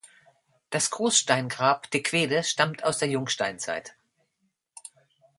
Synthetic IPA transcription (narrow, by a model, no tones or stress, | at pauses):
d̥asɡ̥ʁoːsʃtaɪnɡʁaːpd̥ekʰv̥eːdəʃtamtʰaʊsd̥eːɐjʊŋʃtaɪnt͡sa̰ɪt